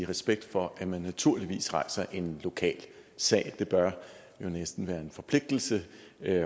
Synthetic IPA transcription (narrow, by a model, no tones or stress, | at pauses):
iʁɛsb̥eɡ̥̚d̥fɒ̽ʔæmænːæt͡sʰuɐ̰liʋḭːsʁɑ̈ɪsɐʔe̝nlo̝kʰɛ̰ːlsɛ̰ːɪd̥e̝b̥ɶɐ | jo̝nesd̥n̩ʋæːɐe̝nfɒ̽pʰle̝ɡ̥̚d̥l̩sə